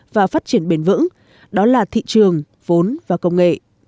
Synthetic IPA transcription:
vaː˨˩faː˦˥t̚t͡ɕi˧˩ənɓe˧˩nvɨ̰˧˥ŋ | ɗɔ˨˦laː˨˩t̪ʰḭ˧˨t͡ɕɨ˨˩əŋ | vo˨˦nvaː˨˩kə˧wŋ͡mŋḛ˧˨ʔ

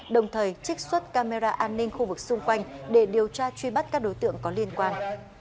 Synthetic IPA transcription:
ɗə˨˩wŋ͡mt̪ʰəː˨˩jt͡ɕï˦˥k̟̚swə˦˥t̚kaː˧me˧zaː˧ʔaː˧nːï˧ŋ̟xu˧vɨ˨˩k̚sʊ˧ŋ͡mkwa˧jŋ̟ɗe˧˩ɗi˨˩əwt͡ɕaː˧t͡ɕwi˧ɓa˦˥t̚kaː˦˥k̚ɗo˨˦jt̪ɨ̰˧˨əŋkɔ˨˦li˧ənkwaː˧n

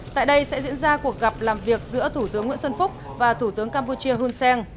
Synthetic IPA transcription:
t̪a̰ː˧˨jɗə˧jsɛ̰˧˥zḭ˧˥ənzaː˧ku˨˩ək̚ɣa˨˩p̚laː˨˩mvi˨˩ək̚zɨ̰˧˥ət̪ʰu˧˩t̪ɨ˨˦əŋːw̰nsə˧nfʊ˦˥k͡p̚ | vaː˨˩t̪ʰu˧˩t̪ɨ˨˦əŋkaː˧mpu˧t͡ɕi˧əɦu˧nsɛ˧ŋ

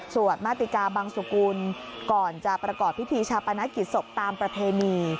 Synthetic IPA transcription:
su˨˩ət̪̚maː˦˥˩t̪i˨˩kaː˧baː˧ŋsa˨˩kuː˧nkɔː˨˩nt͡ɕa˨˩pɾa˧kɔː˨˩pʰːi˦˥t̪ʰiː˧t͡ɕʰaː˧pa˧na˦˥ki˨˩t̪̚so˨˩p̚t̪aː˧mpɾa˧pʰeː˧niː˧

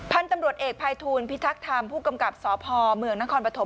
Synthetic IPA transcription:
pʰa˦˥˨nt̪a˧mɾu˨˩ət̪̚ʔeː˨˩k̚pʰaː˧jt̪ʰuː˧npʰi˦˥t̪ʰːa˦˥k̚t̪ʰa˧mpʰuː˥˩ka˧mka˨˩p̚sɔː˩˦pʰɔː˧mɯ˧əŋna˦˥kʰɔː˧npɾa˧t̪ʰo˩˦

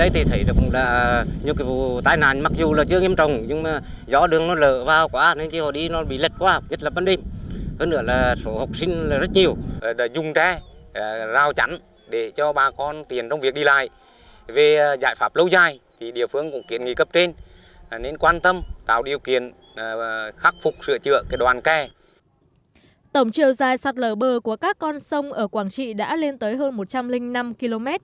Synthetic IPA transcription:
ɗə˨˦jt̪ʰi˨˩t̪ʰə˨˦jɗa˨˩kʊ̰˧˨˥laː˨˩ɲɨ˧əkaː˨˦vu˨t̪aː˧jna̰ː˧˨nma˨˩k̚zu˨˩laː˨˩t͡ɕɨ˧əŋi˧əmt͡ɕə˨˩wŋ͡mɲɨ˧ŋmaː˨˩ | zɔ̰˧˥ɗɨ˨˩əŋnɔ˨˦ləː˧˨vaː˨˩wkwaː˧˥ne˧˦nt͡ɕi˧hɔ˧˨˩ɗi˧nɔ˨˦ɓḭ˧˨lə˨˩t̚kwaː˧˨ɲə˦˥t̚laː˨˩ɓaː˧nɗe˧mhəː˧nːɨ̰˧˥əlaː˨˩so˧˨˦ha˨˩wk͡p̚sï˧ŋ̟laː˨˩zə˦˥t̚ɲi˨˩əwzʊ˨˩ŋ͡mt͡ɕɛ˧˩˨ | zaː˧˩wt͡ɕa̰˧˥n | ɗe˧˩t͡ɕɔ˧ɓaː˨˩kɔ˧nt̪i˨˩ənt͡ɕɔ˧wŋ͡mvi˨˩ək̚ɗi˧la̰ː˧˨j | ve˨˩za̰ː˧˨jfaː˦˥p̚lə˧wzaː˧˩jt̪ʰi˨˩ɗḭ˧˨əfɨ˧əŋkʊ̰˧˥ŋ͡mki˧˨ənŋi˧˩kə˦˥p̚t͡ɕe˧n | ne˧nkwaː˧nt̪ə˧mt̪a̰ː˧˨wɗi˨˩əwkḭ˧˨ən | xa˦˥k̚fʊ˨˩k͡p̚sɨ̰˧˨ət͡ɕɨ̰˧˨əkaː˨˦ɗwaː˨˩nkɛ˧˩ | t̪ə˧˩wŋ͡mt͡ɕi˨əwzaː˨˩jsa˨˩t̚ləː˧˩ɓəː˨˩ku˧˩əkaː˦˥kːɔ˧nsə˧wŋ͡mʔəː˧˩kwaː˧˩ŋt͡ɕḭ˧˨ɗa̰ː˧˥le˧nt̪əː˨˦jɦəː˧nmo˨˩t̚t͡ɕa˧mlï˧ŋ̟na˧mki˧lo˧mɛ˦˥t̚

